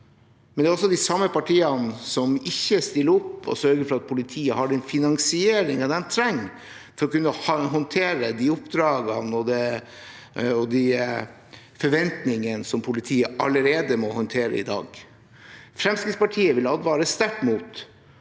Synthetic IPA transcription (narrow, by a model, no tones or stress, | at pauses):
mɛnd̪ɛɔsːɔd̪ɪsɑmːəpɑʈʰiːənsɔmɪçːəst̪ɪlːəʊpːɔ̰sœɾɡəɾfɔɾɑt̪̚pʰʊlɪt̪ʰiːəhɑɖɛnfɪnɑŋsɪeːɾɪŋɑd̪ɛnt̪ʰɾɛŋː | fɔɾɔkʉnːəəɦɔnt̪ʰeːɾəd̪iːʊpd̪ɾɑːɡɑnɔd̪ɛ | ɔd̪i | fɔɾʋɛnt̪nɪŋənsɔmpʰʊlɪt̪ʰiːəʔɑləɾeːd̪əmɔhɔnt̪ʰeːɾə̰ɪ̰d̪ɑ̰ːɡ | fɾɛmskɾɪt̪spɑʈʰiːəʋɪlɑld̪ʋɑːɾəst̪æʈːmuːt̪